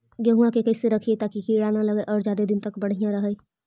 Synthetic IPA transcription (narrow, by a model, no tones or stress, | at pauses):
ɡjɐɦuãkekɛːseɾɐkʰiet̪aːkikiːɽaːnalɐɡəʔɔːɾd͡ʒjaːd̪ed̪ɪnt̪ɐkbɐɽ̤ijãɾɐɦəj